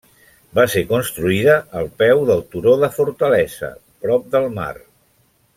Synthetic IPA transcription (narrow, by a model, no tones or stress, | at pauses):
basekunst̪ɾuiðəʔːlˠpɛwðəlˠt̪uɾoðəfuɾt̪əlɛzə̰ | pɾɔp̚d̪əlˠma̰r